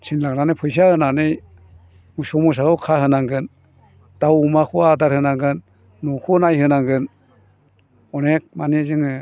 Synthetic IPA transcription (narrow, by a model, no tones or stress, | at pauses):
t͡ʃʰinlaknanɯjpʰɯjs̬iahɯnanɯj | usɔmus̬akɯwkʰahɯnaŋɡɯn | d̥awumakʰuadaɾhɯnaŋɡɯnː | ukʰunajhɯnaŋɡɯn | ɔnek̚manizɯŋɯ